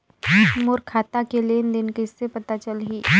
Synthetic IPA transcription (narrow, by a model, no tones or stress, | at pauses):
mʊɾkʰaːt̪akeleːnd̪ɪnkɪsːepɐt̪at͡ʃəlɦiː